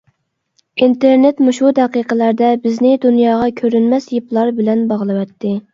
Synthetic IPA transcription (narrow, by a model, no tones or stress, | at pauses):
int̪eɾnet̪muʃud̪ɛqiqəlæɾd̪ɛbɪznɪd̪unjɑːʁɑkʲʰøɾynmɛsjeplˠɑɾbɪlɛnbɑʁlˠɨwɛt̪ʰːɪ